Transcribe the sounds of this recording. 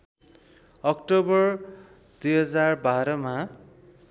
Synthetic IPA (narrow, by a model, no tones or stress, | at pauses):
ʌk̚ʈobʌr | d̪̥ujɦʌd͡zarbaɾʌma